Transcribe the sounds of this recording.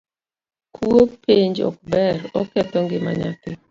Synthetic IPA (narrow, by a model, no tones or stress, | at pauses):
kʰuopeɲd͡ʒɔ̰k̚bɛrɔkɛtɔŋɡɪma̰ɲa̰tɪ